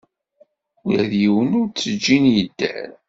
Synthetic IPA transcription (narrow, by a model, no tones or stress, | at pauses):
ujæ̰ðjiwənʊɾt͡sːəd͡ʒːinjəd̪̥ːə̰ɾ